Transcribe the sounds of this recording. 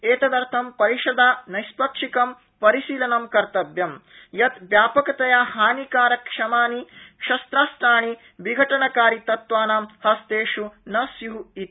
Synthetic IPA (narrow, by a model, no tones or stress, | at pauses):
eːt̪ɐd̪ɐɾt̪ʰɐmpɐɾiʂɐd̪aːnɐjspɐkʂikɐm | pɐɾiʃiːlɐnɐmkɐɾt̪ɐbjɐm | jɐt̪ʋjaːpɐkɐt̪ɐjaːhaːnikaːɾɐkʂɐmaːnikʂɐst̪ɾaːst̪ɾaːɳi | ʋiɡʱɐʈɐnɐkaːɾit̪ɐt̪ʋaːnaːmhɐst̪eːʂunɐsiɦuit̪